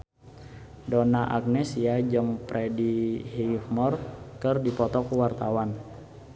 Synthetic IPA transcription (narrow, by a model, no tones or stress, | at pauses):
dɔnaʔak̚nɛsiad͡ʒəŋpɾʔɛdihifmɔrkərdipɔt̪ɔkuwart̪awan